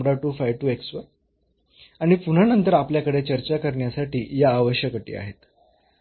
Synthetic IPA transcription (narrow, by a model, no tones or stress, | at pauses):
ɽaʈuːfajʋʈuːeksʋəɾ | aɽ̃ipuɽ̤anənt̪əɾapljakəɽet͡ɕəɾt͡ɕakəɾɳjasaʈiːjaːʋəɕjəkəʈḭːa̰ɦet̪